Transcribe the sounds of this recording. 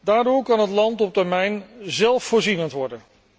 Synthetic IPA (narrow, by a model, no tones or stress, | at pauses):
daːɹdʊːɹkɑnətlɑntɔp̚təɹmɛjnzɛlˠfːʊːɹzinəntʋɔɹdən